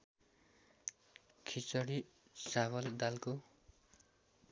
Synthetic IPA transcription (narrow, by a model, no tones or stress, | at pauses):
kʰit͡sʌɽisawʌld̪alko